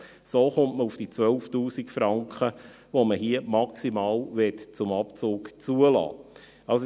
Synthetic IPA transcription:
soːχʊmtməufd̥iːt͡sʋœlftuːsikfɾɑŋkχə | ʋoməɦiəmɑksimɑːlʋɛt̪t͡sʊmɑpt͡sʊːkt͡suəlɑ̰ː | ɑls

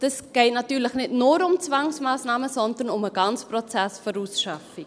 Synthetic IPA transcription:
d̥əsɡ̥eɪtnɐtyːrləχnɛtnuɾʊmt͡svɑŋsmaːsnɑːməzɔndərnʊməɡɑnsprot͡sæsfəɾusʃafi

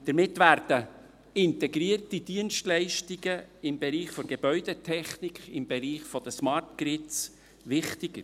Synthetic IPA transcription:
d̪̥əɾmɪt̪ʋæːɾd̥ə | ɪnt̪ɛɡɾiərtid̪̥iənʃtlɛɪʃtiɡəɪmbeɾiːχfɔɡ̥ebœʏd̪ɛt̪ʰɛχnikχɪmb̥eɾiːχfɔd̥̪əsmɑrtɡɾɪtt͡s | ʋɪχt̪ɪɡ̥əɾ

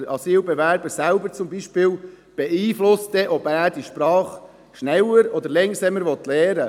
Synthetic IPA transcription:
ɑsiːlbɛʋæɾbəsælbəɾt͡sʊmbiʃpɪːl | b̥ɛiːflʊst̚dɛʔɔbæːɾd̥iʃpɾɑːχ | ʃnɛwəɾɔd̪əɾlɛŋsɛməɾʋɔt̪lɛːɾə

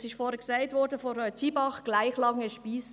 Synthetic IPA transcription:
sɪʃtfoːɾəɡsaɪtvɔdəfoɾœʏtt͡siːbɑχɡ̥laɪxlɑŋəʃpiːs

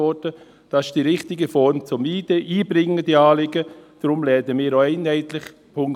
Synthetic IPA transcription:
ɔdə | d̥ɑsʃd̥iɾɪχtɪɡəfɔɹnt͡sʊmiːd̥eʔiːbrɪŋːəd̥iɑːlɪɡəd̥rʊmlɛːdəmiːɾoɛɪnhɛɪt̪lɪχ | pʰʊŋ

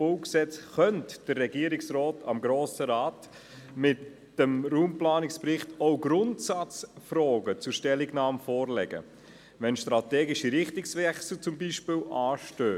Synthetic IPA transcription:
olksɛt͡sχœntd̥əɾːɛɡiːəɾɪksrɔːtʰɑ̰mɡɾoːsəɾaːt | mɪt | d̥əmɾuːmplɑːnɪksprɪχtɔʊɡɾʊntsɑt͡sfɾɔːɡət͡sʊʃtɛlɪɡnɑːmfɔːɾlɛ̰ɡə̰ | ʋɛnʃtɾɑtɛːɡɪʃiɾɪχtɪksʋɛχsl̩t͡sʊmbiːʃpɪlʔɑːʃtøː

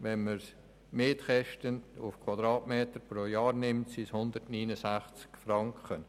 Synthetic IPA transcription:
ʋɛnməɾs | meːtχɛʃtənʊfkʰwɑd̪ɾɑːtmeːtəɾpɾoːjɑːrnɪmtsishʊnd̪ərtniːnəsæχt͡skfɾɑŋkχən

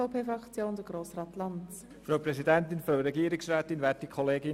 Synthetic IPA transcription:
apʰeːfʁɑkt͡sjoːnd̥əɡ̥roːsrɑːtlɑnt | fɾawpʰrɛsidɛntɪnfɾaʊɾɛɡiːɾɪksraːtɪnvɛt̚d̥ikʰɔleːɡɪ

